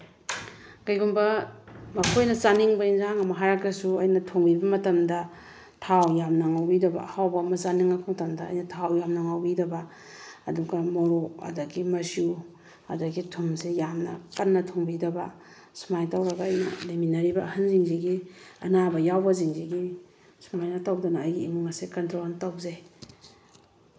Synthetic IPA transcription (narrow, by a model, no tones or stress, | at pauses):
kɐjɡumbɐmɐkʰojnɐt͡ʃaniŋbɐinzaŋɐmɐɦajɾakɾɐsuɐjnɐtʰoŋbibɐmɐtɐmdɐ | tʰawjamnaŋawbidɐbɐ̰hawbɐːmɐsaniŋakbɐmɐtɐmdɐ̰ːjnɐtʰawjamnɐŋawbidɐbɐː | duɡɐmoɾoɐ̰dɐɡimɐsu | ɐ̰dɐɡitʰumsejamnɐ̰kɐnːɐtʰoŋbidɐbɐ | sumajtawɾɐɡaːjnɐ̰liminɐɾibɐhɐnziŋziɡiɐ̰nabɐjawbɐziŋziɡi | sumajnɐtawdɐnɐɐjɡiːmuŋɐsekɐntɾontawze